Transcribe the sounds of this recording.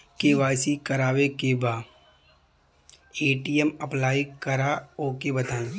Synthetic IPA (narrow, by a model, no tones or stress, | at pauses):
keːʋaːsikɐɾaːʋekebaː | eːʈijɛmɐplaːikəɾaoːkebɐt̪aːẽ